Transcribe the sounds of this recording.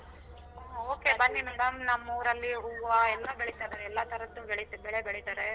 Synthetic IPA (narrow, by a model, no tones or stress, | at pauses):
oːkebɐnːinɐd̪ɐmnɐmːuʋɾɐlːiuːaɛlːɐbeɭit̪adɐɛlːat̪ʰɐɾɐt̪ːubeɭit̪bɛɭebeɭit̪aːɾe